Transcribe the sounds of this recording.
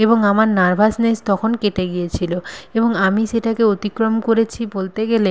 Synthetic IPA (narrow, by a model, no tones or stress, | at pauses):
eboŋamaɾnaɾbʱasnest̪ɔkʰonkeʈeɡijet͡ɕʰiloeboŋamiʃeʈakeot̪ikɾomkoɾet͡ɕʰibolt̪eɡele